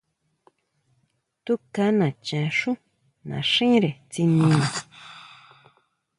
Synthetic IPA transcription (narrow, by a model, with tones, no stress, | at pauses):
t̪u˦ka˦nã˨t͡ʃã˨ʂũ˦ | nã̰˨ʂĩ˦ɾe˨t͡si˧nĩ˧nã˨